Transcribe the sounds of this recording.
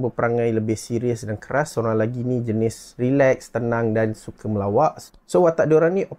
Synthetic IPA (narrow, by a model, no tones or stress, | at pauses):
bəpəɾaŋãjləbɪhsiɾiəsdankəɾasoɾaŋlaɡinĩd͡ʒənɪsrilɛkst̪ənãŋdansukʰəməlawaʔ | sowat̪aʔdoɾanĩʔɔ